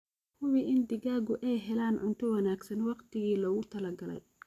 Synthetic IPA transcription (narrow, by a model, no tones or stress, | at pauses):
hʊwiʔɪnd̪ɪɣaːɣʊʔɛjɦɛlaːnʕʊ̰nt̪ʰɔwɑnaːɡsɐnwɑqt̪ʰɪɣiːlɔɣʊt̪ʰɐlɐɡɐlɛ̰j